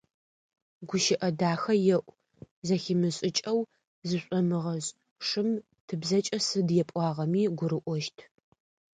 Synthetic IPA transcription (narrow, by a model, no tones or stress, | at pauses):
ɡʷʊʃɪʔɐdaːxɐjɛʔʷ | zɐximɨɕʼɪt͡ʃʼɐw | zɨɕʷʼɔmɨʁɐzʼ | ʂɨm | tʰɨbzɐt͡ʃʼɐsɨdjɛpʼɑːʁɐmiːɡʷʊɾɨʔʷɔʃtʰ